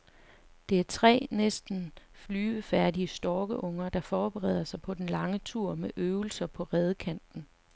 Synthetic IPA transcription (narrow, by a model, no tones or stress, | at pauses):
d̥e̝æɐt͡sʰʁɛ̰ːnesd̥n̩flyːəfæɐdiəsd̥ɒːɡ̥əʔɔ̽ŋ̰ɐd̥ɑ̈fɒːb̥eʁɛ̰ð̰ˠɐsɑ̈ɪpʰɒ̽d̥enlɑ̈ŋət͡sʰuɐ̰meʔøʊl̩sɐpʰɒ̽ʁɛð̞ˠkʰæn̰d̥n̩